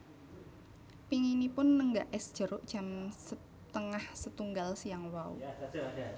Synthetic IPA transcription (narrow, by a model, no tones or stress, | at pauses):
piŋinipʊnːəŋɡaʔɛsd̥ʒ̥ə̤ɾʊʔd̥ʒ̥amsə | t̪əŋahsət̪uŋɡalsijaŋwaṵ